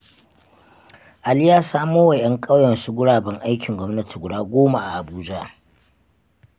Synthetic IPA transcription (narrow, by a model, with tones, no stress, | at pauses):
ʔa˨lɪ˦jaː˦saː˦moː˦wɐ˨jɐ˦ŋkʼa˦wjɐ˨nsu˦ɡʷʊ˦ɽaː˨bɐ˦ŋʔa˦jkʲʰɪ˨ŋɡʷɔ˦mnɐ˦tʰi̥˨ɡʷʊ˨daː˦ɡʷoː˦ma˨ʔa˨ʔa˨buː˦d͡ʒa˦